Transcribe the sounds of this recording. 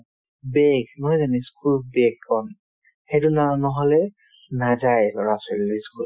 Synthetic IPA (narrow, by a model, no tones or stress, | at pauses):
beɡmɔjzaniskʰulbeɡːɔn | xetunanɔɦɔlɛ | nazajlɔɹaselilojskul